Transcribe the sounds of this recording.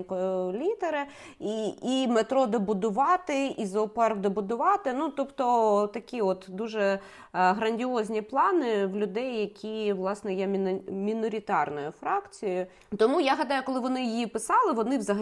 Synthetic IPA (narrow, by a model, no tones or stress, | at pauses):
kɔjɔlʲit̪eɾɪ | iimet̪ɾɔd̪ebʊd̪ʊʋɑt̪ɪizɔːpɛrkd̪ɐbʊd̪ʊʋɑt̪ɪnut̪ɔpt̪ɔt̪ɐkʲiɔt̪d̪uʒɛ | ɦɾɐnʲdʲɪɔzʲnʲiplˠɑnɪʋlʲʊd̪ɛjːɐkʲiʋlˠɑsnɛjɛmʲmʲinɔɾʲɪt̪ɑrnɔjʊfɾɑkt͡sʲijʊ | t̪ɔmujaɦɐd̪ɑjʊkɔlˠɪʋɔnɪjijipɪsɑlˠɪʋɔnɪʋzɐɦɐ